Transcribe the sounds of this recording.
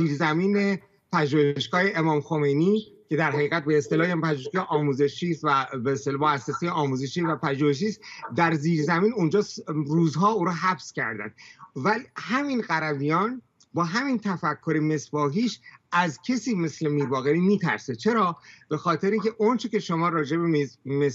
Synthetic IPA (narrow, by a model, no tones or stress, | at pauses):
ziːɾzæmiːne̞ | pʰæʒuːheʃɡɒːhe̞ʔemɒːmxo̞me̞jniː | cʰe̞d̪æɾɦæɣiːɣæt̪̚be̞ːst̪e̞lɒːhempæʒuheʃɡɒːʔɒːmuːze̞ʃt͡ʃiːst̪væbeːst̪elːmoæsːesejeɒːmuːze̞ʃiːvæpæʒuːheʃ̬iːst̪d̪æɾziːɾzæmiːnund͡ʒɒːsɾuːzɦɒːuːɾuɦæbscæ̰ɾd̪æ̰nd̪̥væhæminɢæɾæbijɒːn | bɒːɦæmiːnt̪ʰæfækʰːo̞ɾeme̞sbɒːɦiːʃʔæzcʰesiːme̞slemiːbɒːɣeɾiːmiːt̪ʰæ̰ɾset͡ʃʰe̞ɾɒːb̥e̞xɒːt̪ʰe̞ɾiŋcʰe̞ʔont͡ʃʰece̞ʃo̞mɒːɾɒːd͡ʒe̞bemes